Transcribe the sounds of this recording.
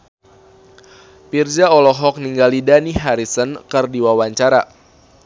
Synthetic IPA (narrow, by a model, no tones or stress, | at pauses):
pird͡ʒaɔlɔɦɔk̚niŋɡalidaniɦaɾisənkərdiwawaɲt͡ʃaɾa